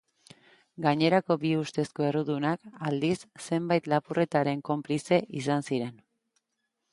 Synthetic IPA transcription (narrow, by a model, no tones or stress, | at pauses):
ɡaɲe̞ɾako̞biust̪e̞sko̞e̞ruðunakald̪isːe̞mbajt̪lapure̞t̪aɾe̞ŋko̞mplise̞ʔisansiɾe̞n